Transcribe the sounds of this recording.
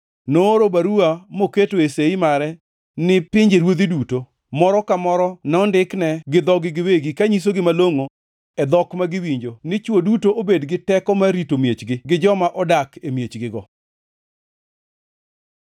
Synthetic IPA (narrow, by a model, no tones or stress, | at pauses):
noːɾobaɾuamoketoeseimaɾɛ | nɪpɪɲd͡ʒeɾwod̪iduto | mɔɾɔkamɔɾɔnɔndɪknɛɡɪd̪ɔɡɪɡɪweɡikaɲis̬oɡɪmaloŋo | ɛd̪ɔkmaɡɪwiɲd͡ʒonɪt͡ʃwodutoʔobedɡɪtɛkɔmaɾitomjet͡ʃɡɪɡɪd͡ʒɔmaʔɔdakemjet͡ʃɡɪɡɔ